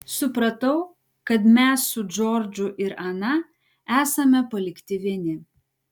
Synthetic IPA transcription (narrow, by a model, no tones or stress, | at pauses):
sʊpɾɐt̪ɐʊ | kɐt̪mʲɛsːʊd͡ʒoːɾʲd͡ʒʲʊʔɪɾɐnɐ | æːsɐmʲɛpɐlʲɪkt̪ʲɪʋʲɛnʲɪ